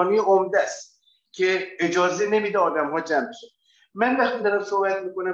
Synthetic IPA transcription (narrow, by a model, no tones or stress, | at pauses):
niːomd̪æst̪ | kʲʰeed͡ʒɒːzenemid̪ɛɒːd̪æmɦɒːd͡ʒæmbeʃæn | mænvæxt̪imd̪ɒɾæmsohbæt̪miːkonæ